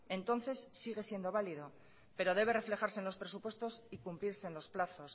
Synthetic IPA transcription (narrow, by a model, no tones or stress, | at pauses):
ẽ̞nt̪o̞nθe̞sːiɣe̞sje̞nd̪o̞β̞aliðo̞ | pe̞ɾo̞ð̞e̞β̞e̞re̞fle̞xaɾseːnlo̞spɾe̞supwe̞st̪o̞sikumpliɾse̞ːnlo̞splaθo̞s